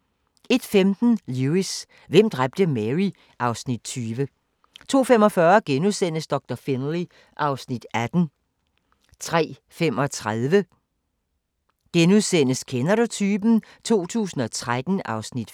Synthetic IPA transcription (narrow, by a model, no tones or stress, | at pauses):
e̝d̥femd̥n̩luis | ʋem̰d̥ʁab̥̚d̥əmeʁi | ʔɑ̈ʊsnid̥̚t͡sʰyːʋə | t͡sʰo̝̰ːfemɒ̽fɶːɐɡ̥enuðˠsen̰əsd̥ɒ̽ɡ̥̚d̥ɒfinli | ʔɑ̈ʊsnid̥æd̥n̩ | t͡sʰʁɛ̰ː | fem̰ɒ̽t͡sʰʁaðˠʋə | ɡ̥enuðˠsen̰əskʰenɐɾut͡sʰyːb̥n̩ | t͡sʰo̝̰ːt͡sʰṵːsn̩ɒ̽t͡sʰʁad̥n̩ʔɑ̈ʊsnid̥